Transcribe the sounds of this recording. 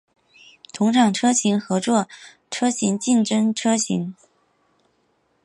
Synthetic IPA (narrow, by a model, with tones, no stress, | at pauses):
t̪ʰʊ˧˥ŋʈ͡ʂʰɑ˨˩ŋʈ͡ʂʰɤ˥ɕi˧˥ŋxɤ˧˥t͡swɔ˥˩ | ʈ͡ʂʰɤ˥ɕi˧˥ŋt͡ɕi˥˩nʈ͡ʂə˥ŋʈ͡ʂʰɤ˥ɕḭ˧˥ŋ